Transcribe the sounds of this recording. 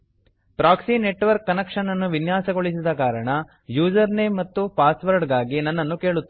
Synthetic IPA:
pɾaːksineʈʋɐɾkːɐnɐkʂɐnːɐnːuʋinjaːsɐɡoɭisid̪ɐkaːɾɐɳɐ | juːd͡ʒɐɾnejmːɐt̪ːupaːsʋɐɾɖɡaːɡinɐnːɐnːuke̞ːɭut̪ː

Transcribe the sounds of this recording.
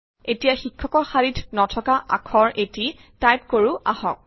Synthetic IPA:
etijaxikʰːɔkɔɹxaɹitʰnɔtʰɔkaʔa̰kʰɔɹʔeti | tajp̚koɹuʔahɔk̚

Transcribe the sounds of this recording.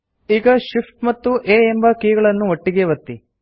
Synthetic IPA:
iːɡɐʃipʰʈmɐt̪ːuʔeːembɐkiːɡɐɭɐnːuoʈːiɡeʋɐt̪ːi

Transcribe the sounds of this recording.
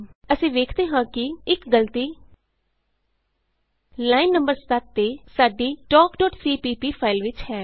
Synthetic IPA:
əsĩːʋeːkʰd̪eːɦãːkɪɪkɡəlt̪iː | laːinːəmbəɾsət̪ːeːsaːɖiːʈɔːkɖɔːʈsiːpiːpiːpʰaːɪlʋɪt͡ʃhɛː

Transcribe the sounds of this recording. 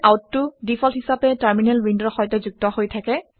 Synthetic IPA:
ʔawtːʊdifʰɔlhisapɛtaɹminɛlwindɔɹxɔjtɛzuɡ̚tɔhojtʰakɛ

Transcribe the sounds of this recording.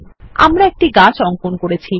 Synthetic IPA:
a̰mɾaek̚ʈiɡat͡ɕɔŋkonkoɾet͡ɕʰi

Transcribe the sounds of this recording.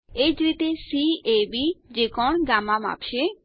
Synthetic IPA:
ed͡ʒɾit̪esiebid͡ʒekɔɳɡaːmãma̰ːpʃe

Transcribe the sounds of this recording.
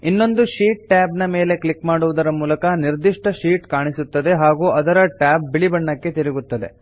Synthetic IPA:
inːo̞nd̪uʃiːʈ̚ʈaːbnɐme̞ːle̞klikmaːɽuʋud̪ɐɾɐmuːlɐkɐniɾd̪iʂʈɐʃiːʈkaːɳisut̪ːɐd̪e̞ɦaːɡuːʔɐd̪ɐɾɐʈaːb̚biɭibɐɳːɐkːe̞t̪iɾiɡut̪ːɐd̪e̞̰

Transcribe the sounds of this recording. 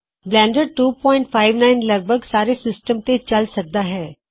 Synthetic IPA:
blɛ̃ːɳɖəɾ̚ʈuːpɔ̃ːɪ̃ɳʈfʰaːɪʋnaːɪnlɐɡ̚bʱəɡsaːɾesɪsʈəmt̪ẽt͡ʃɐlsɐk̚d̪aɦɛː

